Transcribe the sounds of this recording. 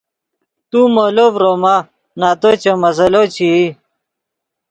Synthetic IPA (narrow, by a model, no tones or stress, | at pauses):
t̪umolovɾoma | naːt̪ot͡ɕemɐzɐlot͡ɕi